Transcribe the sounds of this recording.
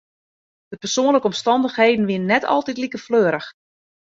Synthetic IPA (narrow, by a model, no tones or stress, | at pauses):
d̥əpərsoənləkəɔmstɑndəxheːdn̩ʋɪnənːɛtʰɑ̰lˠtitlikəfløːɾəx